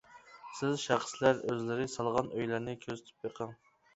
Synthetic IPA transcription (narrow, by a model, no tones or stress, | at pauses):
sɪzʃæχslæɾøzlɪɾɪsɑlˠʁɑnøjlæɾnɪkʲʰøzt̪ʰy̥pjeqʰəŋ